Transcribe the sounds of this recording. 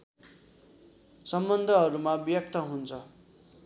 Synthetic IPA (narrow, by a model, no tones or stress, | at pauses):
sʌmbʌnd̪ʱʌɦʌɾumabjʌkt̪ʰʌɦunt͡sʰʌ